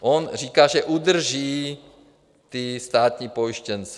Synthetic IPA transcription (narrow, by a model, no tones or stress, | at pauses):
ʔonriːkaːʒɛʔud̪r̩ʒiː | t̪ist̪aːt̪ɲiːpojʃcɛnt͡sɛ̥